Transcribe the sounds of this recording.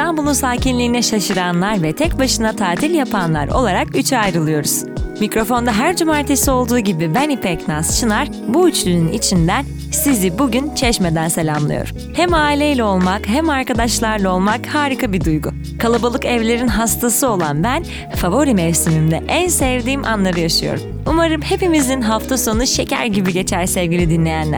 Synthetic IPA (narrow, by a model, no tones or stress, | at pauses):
st̪ambulˠunsaːcinlʲiːnɛʃaʃɯɾanlˠaɾvɛt̪ʰɛcbaʃɯnat̪ʰaːt̪ʰilʲjapʰanlˠa̰ɾo̞̰lˠaɾakyt͡ʃʰajɾɯlˠɯjo̞ɾuz̥micɾo̞fo̞nd̪aɦæɾd͡ʒumaːɾt̪ʰesio̞lˠd̪uːɟibibɛnipɛcnast͡ʃʰɯnaɾ̥ | buyt͡ʃlʲynynḭt͡ʃʰind̪æn | sizibuɟynt͡ʃʰɛʃmed̪ænse̞lʲamlˠɯ̰jo̰ɾ | hæmaːilʲejlʲɛo̞lˠmakɦɛmaɾkad̪aʃlˠaɾlˠao̞lˠmakhaːɾikʰabid̪ujɡu | kʰalˠabalˠɯkɛvlʲe̞ɾinɦast̪ʰasɯo̞lˠanbæn | favo̞ɾimɛfsimimd̪ɛʔænsɛvd̪iːmʔa̰nlˠaɾɯjaʃɯjo̰ɾum | umaɾɯmhe̞pimizinɦaft̪ʰaso̞nuʃe̞cʰæ̰ɾɟibiɟe̞t͡ʃʰæɾsɛvɟilʲid̪inlʲe̞jænlʲæ̰